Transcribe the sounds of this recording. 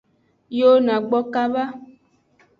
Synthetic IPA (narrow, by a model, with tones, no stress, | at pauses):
jo˦nã˨ɡ͡bɔ˦ka˦va˦